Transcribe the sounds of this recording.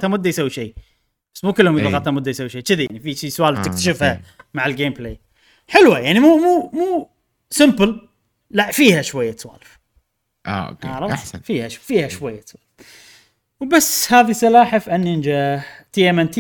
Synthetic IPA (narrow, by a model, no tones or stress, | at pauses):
t̪hamʊd̪ːajsawːiʃeː | b̥asːmuːkɪlːhʊmjt̪ɑɣɑt̪hamʊd̪ːajsawʃeːt͡ʃɪðajaʕnifiʃiswaːlft̪ɪkt̪ḁʃɪfhamaʕɪlɡeːmpleː | ħɪlwajaʕnimuːmuːmuː | sɪmpəl | laʔfiːhaʃwajːat̪swa̰ːlɪf | ʔa̰o̰kʔaɾˤɑanfiːhaʃfiːhaʃwajːaswaːlf | wbasːhaːðisɑlaːħafʔanːɪnd͡ʒat̪ijamant̪